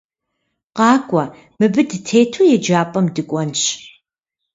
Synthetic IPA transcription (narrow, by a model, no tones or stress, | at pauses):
qɑːkʷʼɔ | mɨbɨdɨtʰeːtʰuːjɛd͡ʒaːpʼɐmdɨkʷʼɔnɕ